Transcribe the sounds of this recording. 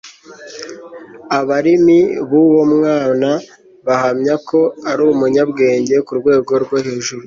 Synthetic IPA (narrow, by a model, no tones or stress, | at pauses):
aβaɾimiβuwo̞mŋaːna | βahamɲako̞aɾumuɲabɡe̞ːɲɟe̞kuɾɡwe̞ːɡo̞ɾɡwoheːʒuɾu